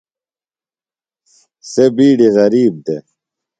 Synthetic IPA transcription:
sebiːɖiɣɐɾiːb̚d̪e

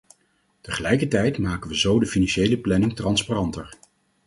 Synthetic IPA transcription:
təχəlɛjkəɹtɛjtmaːkənʋəzowdəfinɑnʃejləplɛnɪŋtrɑnsparɑntəɹ

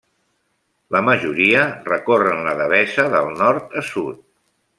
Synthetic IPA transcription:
ləməʒuɾiərəkorənləðəβɛzəðəlˠnɔɾt̪əsut̪̚

